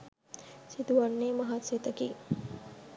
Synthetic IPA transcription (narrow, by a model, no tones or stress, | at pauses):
sit̪uʋanːeːmɐɦat̪set̪əki